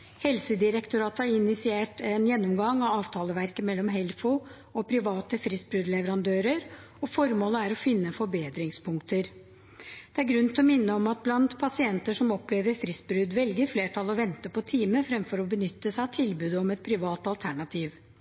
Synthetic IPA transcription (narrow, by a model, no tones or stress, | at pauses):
hɛlsəd̪ɪɾɛkt̪ʊɾɑːt̪hɑɾɪnːɪsɪeːʈɛnjɛnːɔmɡɑŋɑʋɑːʋt̪ʰɑːləʋæɾkəmɛlːɔmɦɛlfʊ | ɔpʰɾɪʋɑːt̪əfɾɪst̪bɾʉd̪lɛʋəɾɑnd̪øːɾəɾ | ɔfɔɾmoːləæɾɔfɪnːəfɔɾbeːd̪ɾɪŋspʰʊŋkt̪əɾ | d̪̥ɛæɾɡɾʉnt̪ɔmɪnːəɔmɑt̪̚blɑnt̪pʰɑsɪɛnt̪əʂɔmɔpːleːʋəɾfɾɪsbɾʉd̪ʋɛlɡəɾfleːʈʰɑlɔʋɛnt̪əpʰɔt̪ʰiːməfɾɛmfɔɾɔbənʏt̪ːəsæɪɑt̪ʰɪlbʉːd̪əɔmɛt̪̚pʰɾɪʋɑːt̪ɑlt̪ʰæɳɑt̪ʰiːʋ